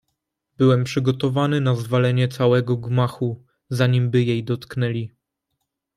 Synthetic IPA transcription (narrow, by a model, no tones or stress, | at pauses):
bɘwɛmpʂɘɡɔt̪ɔvanɘnazvalɛɲɛt̪sawɛɡɔɡmaxu | zaɲimbɘjejd̪ɔt̪knɛlʲi